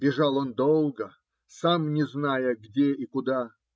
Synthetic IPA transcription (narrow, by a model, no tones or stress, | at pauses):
bʲɪʐalˠond̪olˠɡə | samnʲɪznajəɡdʲeʔikʊd̪a